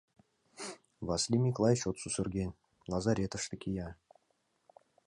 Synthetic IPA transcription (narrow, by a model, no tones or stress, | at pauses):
vɑsʲlʲimʲiklˠɑjɪʃot̪susɵrɡʲenʲ | nazaɾʲet̪əʂt̪əkʰʲijɑ